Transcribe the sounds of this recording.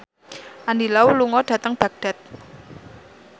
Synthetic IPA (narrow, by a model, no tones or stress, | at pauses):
ʔandilawuluŋɔɖ̥ä̤t̪əŋb̥aɡ̚ɖ̥a̤t̪̚